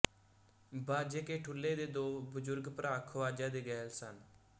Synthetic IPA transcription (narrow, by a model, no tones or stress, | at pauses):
baːd͡ʒeːkeːʈʰʊlːeːd̪eːd̪oːbəzʊɾɡpəɾaːkʰʋaːd͡ʒãːd̪eːɡɛːlsən